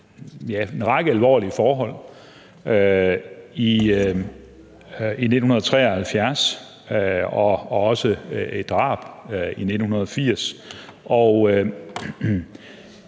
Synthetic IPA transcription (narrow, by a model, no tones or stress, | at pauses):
jæenʁɑ̈ɡ̥əælʋɒ̰ːlifɒːɦɒ̽l̰ | ø | i | ine̝d̥n̩hunɐðˠɒ̽t͡sʰʁɛ̰ːɒhælfjæɐs | ɒɒ̽səed̥ʁɑ̈ːb̥ine̝̥n̩hunɐð̞ˠɒ̽fiɐ̰sʔɒʊ